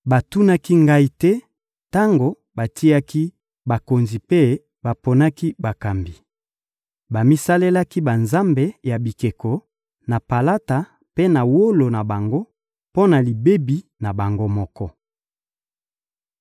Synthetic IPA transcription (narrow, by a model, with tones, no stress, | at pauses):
ba˨tu˦na˦ki˦ŋɡa˦i˦tɛ˦ | ta˦ŋɡo˨ | ba˨tʰi˦a˦ki˦ | ba˨ko˨nzi˨pe˦ | ba˨po˨na˦ki˦ba˨ka˨mbi˨ | ba˨mi˦sa˦le˦la˦ki˦ba˨nza˦mbe˨ja˨bi˨ke˨ko˨ | na˨pa˨la˦ta˨ | pe˦na˨wo˦lo˨na˨ba˨ŋɡo˦ | po˦na˨li˨be˦bi˨na˨ba˨ŋɡo˦mɔ˦kɔ˦